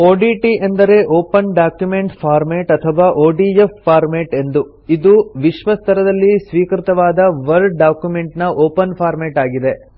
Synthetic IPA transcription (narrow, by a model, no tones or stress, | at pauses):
oːɖiːʈiʔend̪ɐɾe̞ʔoːpɐnɖaːkjume̞ɳʈpʰaːɾmeːʈɐt̪ʰɐʋaːʔoːɖiefːaːɾmeʈe̞nd̪u | id̪uʋiʃʋɐst̪ʰɐɾɐd̪ɐlːisʋiːkɾit̪ɐʋaːd̪ɐʋɐɾɖɖaːkjume̞ɳʈnɐʔoːpɐnpʰaːɾmeːʈaːɡid̪e̞